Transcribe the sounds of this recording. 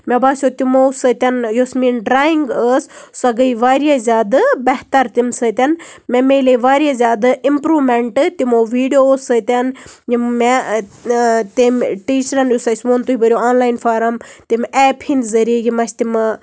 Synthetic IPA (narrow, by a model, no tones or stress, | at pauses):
mʲebaːsjot̪imosɐt̪ʲɐnjosmiːnɖɾaːiŋɡəssɐɡɐiʋaːɾjazʲjaːd̪bɐɦt̪ɐɾt̪imsɨt̪ʲɐnmemeleʋaːɾjazʲaːd̪ɨimpɾuːmeɳʈɨt̪imoʋiːɖijoːsət̪ʲɐnjimːe | t̪imʈiːt͡ʃɾɐnjosɐsʲmoːnt̪uibɐɾʲjoaːnlaːinfaːɾɐmt̪imʲɛːphinzɐɾiejimɐsʲt̪im